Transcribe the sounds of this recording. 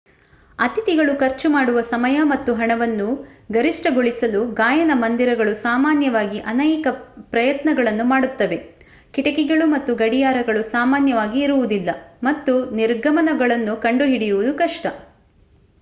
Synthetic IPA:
ɐt̪it̪iɡɐɭukɐɾt͡ʃumaːɽuʋɐsɐmɐjɐmɐt̪ːuɦɐɳɐʋɐnːuɡɐɾiʂʈɐɡoɭisɐluɡaːjɐnɐmɐnd̪iɾɐɡɐɭusaːmaːnjɐʋaːɡiʔɐnɛjkɐpɾɐjɐt̪nɐɡɐɭɐnːumaːɽut̪ːɐʋe̞ | kiʈɐkɛɡɐɭumɐt̪ːuɡɐɽijaːɾɐɡɐɭusaːmaːnjɐʋaːɡiːɾuʋud̪ilːɐmɐt̪ːuniɾɡʱɐmɐnɐɡɐɭɐnːukɐɳɖuɦiɽijuʋud̪ukɐʂʈɐ

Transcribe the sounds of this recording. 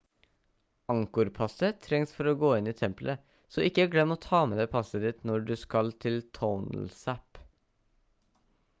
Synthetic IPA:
ɑŋkʊɾpʰɑsət̪ʰɾɛŋsfɔɾoːɡoːɪniːt̪ʰɛmplʔə | sɔːɪkːəæːɾɡlɛmːəoːt̪ʰɑːmeːd̪eːpʰɑsəd̪ɪt̪nɔɖʉskɑlt̪ʰɪlt̪ʰɔʊn̰l̩sæp

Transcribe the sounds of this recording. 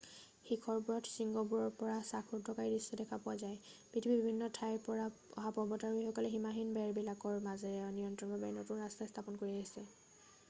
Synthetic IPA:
xikʰɔɹpuɹɔtʰsiŋɡɔpuɹɔɹpɔɹasakʰdʰʱɔkaɹidisːɔdɛkʰapʊazajpɹitʰibibibʱinːɔtʰajpɔɹaɔ̰ɦapɔbɔtaɹixɔkɔlɛɦimaɦinbɛɹbilakɔɹmazɛnijɔntɹɔnbɔbanotunɹastast̪ʰapɔnkoɹiaɦisɛ

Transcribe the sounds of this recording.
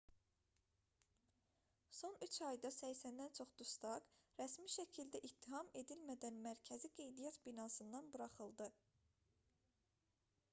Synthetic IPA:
so̞nyt͡ʃʰɑjd̪ɑsæjsænd̪ænt͡ʃʰo̞χd̪̥ust̪ɑɡɾæsmiʃæcʰild̪æʔit̪ʰːiɦɑme̞d̪ilmæd̪ænmæɾcʰæziɡe̞jd̪ijɑt̪binɑsɯnd̪ɑnbuɾɑχɯlˠd̪ɯ

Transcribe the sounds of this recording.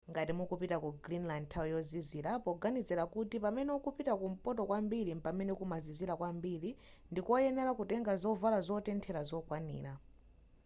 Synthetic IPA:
ŋɡatimukupitakuɡɾinlandtʰawjɔziziːɾapɔɡanizɛlakutipamɛnɛukupitakum̩pɔtɔkwambiɾimpamɛnɛkumaziziɾakwambiɾi | ndikuɔjɛnɛlakutɛŋɡazɔvalazɔtɛntʰɛɾazɔkwanḭːɾa

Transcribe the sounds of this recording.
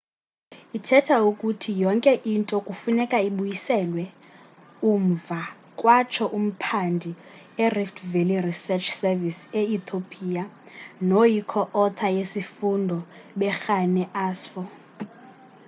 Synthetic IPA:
itʰɛtʰaukʼutʰijɔŋkʼɛʔintʼɔkʼufunɛkʼaiɓujisɛlwɛ | uɱ̩va | kʼwat͡ʃʰɔʔum̩pʰandʱi | ɛriftʰvelirisɛt͡ʃʰsɛviseit̪ʰopʼiːjanojikʰɔʔɔt̪ʰajesifundʱɔɓɛxanɛʔaːsfɔ

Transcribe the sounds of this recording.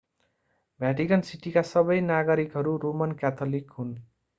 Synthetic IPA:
bʱjaʈikʌnsiʈikasʌbʌjnaɡʌɾikɦʌɾuɾomʌnkat̪ʰolikɦun

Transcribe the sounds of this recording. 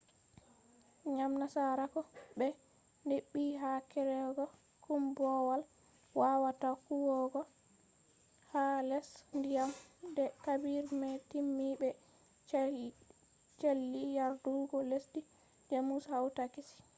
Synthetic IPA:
ɲamnasaɾakɔbɛ | ndeɓːiɦakɛɾɛɡɔ | kumbɔwal | wawatakuwɔɡɔ | halɛsndijamdɛkabiɾmɛtimːibɛ | t͡ʃelːijaɾduɡɔlesdi | d͡ʒamushawtakisi̥

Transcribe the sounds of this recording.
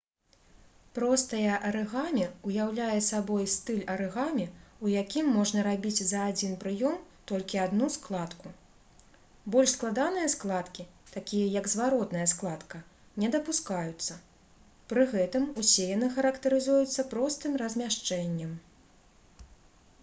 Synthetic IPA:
pɾɔst̪ɐjɐʔɐɾɛɣamʲɛujawlʲajɛsabɔjst̪ɨlʲɐɾɨɣamʲɛujakʲimːɔʐnɐɾabʲit͡sʲzɐːd͡zʲinpɾɨjɔmt̪ɔlʲkʲiad̪nusklˠat̪ku | bɔlʲʂsklˠad̪an̪ɨjɐsklˠat̪kʲit̪akʲijɐjɐɡzvaɾɔt̪nɐjɐsklˠat̪kɐ | nʲɛd̪ɐpuskajut̪sːɐ | pɾɨɣɛt̪ɨmusʲɛjanɨxɐɾɐkt̪ɐɾɨzujut̪sːɐpɾɔst̪ɨmrɐzʲmʲaʂt͡ʂɛnʲːɛm

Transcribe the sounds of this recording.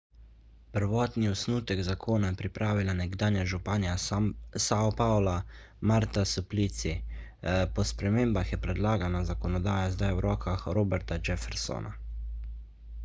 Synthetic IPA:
pəɾʋɔːt̪niɔsnuːt̪ɛɡzakʰoːnajɛpɾipɾʔaːʋilanɛɡd̪aːnjaʒupaːnjasaɔpawla | maɾt̪asuplit̪si | pɔspɾɛmeːmbaxjɛpɾɛd̪laːɡanazakɔnɔd̪aːjazd̪ajwɾɔːkʰaxɾoːbɛɾt̪ad͡ʒɛfɛɾso̰nʔa̰

